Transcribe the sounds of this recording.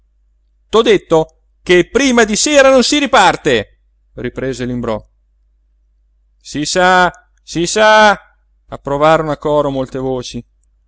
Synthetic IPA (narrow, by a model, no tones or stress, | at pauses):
t̪ɔd̪et̪ːo | kepːɾiːmad̪iseːɾanonsiɾipart̪e | ripɾeːzelimbɾɔ | sisa | sisa | apːɾovaːɾonoakːɔːɾomolt̪evoːt͡ʃi